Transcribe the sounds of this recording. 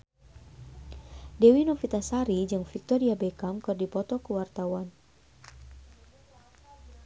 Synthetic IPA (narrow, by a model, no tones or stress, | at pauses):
dɛwinofit̪asaɾid͡ʒɨŋfik̚t̪ɔɾiabekamkɨrdipɔt̪ɔkəwart̪awan